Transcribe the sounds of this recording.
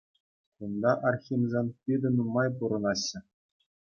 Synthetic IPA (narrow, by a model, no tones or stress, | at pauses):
und̪ɑʔɑrxʲimzʲenʲpʲid̪ʲɘ̆numɑjp̬uɾɤ̆nɑɕːɘ̆